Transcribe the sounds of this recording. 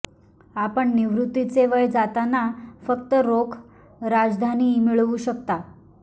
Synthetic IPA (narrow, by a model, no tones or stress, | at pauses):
apəɳniʋɾut̪ːit͡seʋəjd͡zat̪anafəkt̪əɾokʰ | ɾad͡zd̪ʱanimiɭʋuɕək̚t̪a